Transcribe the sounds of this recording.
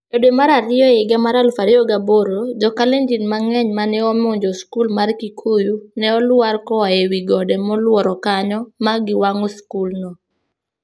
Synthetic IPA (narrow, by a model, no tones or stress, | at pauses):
odemaɾaɾɪɔɪɡɛmaɾalfaɾiɔɡaboɾod͡ʒɔkalɛnd͡ʒinmaŋɛɲmanɛɔmoɲd͡ʒɔskulmarkikʰujunɛɔlwaɾkɔaewiɡɔdɛmɔlwɔɾɔkaɲɔmaɡɪwaŋɔskulnɔ